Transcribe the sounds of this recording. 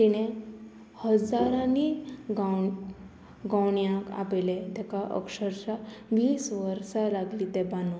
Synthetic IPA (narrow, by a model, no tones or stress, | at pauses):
t̪iɽ̃e | həd͡zaɾãniɡaw | ɡãwɳjãka̰pelet̪ɛkaʔə̰kʂəɾt͡ɕaʋiːsʋəɾsalaɡlit̪ebanu